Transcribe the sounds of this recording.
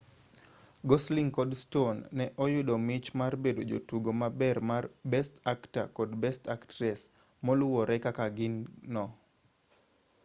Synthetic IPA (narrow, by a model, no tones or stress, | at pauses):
ɡɔsliŋkɔdstonːɛʔɔjʊdɔmɪt͡ʃmarbedod͡ʒotuɡomabɛrmarbɛstakta̰kɔdbɛstaktɾɛs | molʊwɔɾɛkakaɡɪnːɔ